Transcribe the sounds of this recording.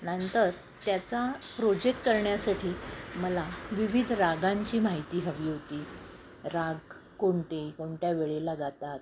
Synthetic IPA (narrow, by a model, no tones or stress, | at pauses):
nənt̪əɾ | t̪jat͡sapɾod͡ʑek̚ʈkəɾɳjasaʈʰiːməlaʋiʋid̪ʱɾaɡaɲt͡ɕiːmaɦit̪iːɦəʋiːɦot̪iː | ɾaɡ̚ | koɳʈekoɳʈjaʋeɭelaɡat̪at̪̚